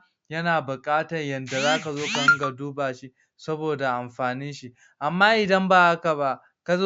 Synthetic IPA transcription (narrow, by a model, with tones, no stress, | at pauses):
jɐ˦naː˨bʊ˨kʼaː˦tɐ˨rjɐ˨nda˨zaː˦ka˨zoː˦ka˨ʔɐ˦ŋɡa˨duː˦baː˨ʃi˦ | sɐ˦boː˨da˨ʔa˨mɸaː˨ni˦ʃi˦ | ʔa˨mːaː˦ʔɪ˨dɐ˦mbaː˦˨ha˦ka˨ba˦ʔ | ka˨zo˦